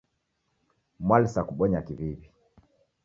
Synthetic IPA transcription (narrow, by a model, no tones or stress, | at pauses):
mwalsakuɓɔɲakivivi